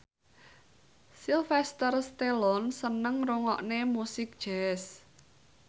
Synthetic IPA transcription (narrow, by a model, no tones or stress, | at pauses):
silfɛst̪ərst̪elɔnsənəŋruŋɔʔnemusɪk̚d̥ʒ̥ɛs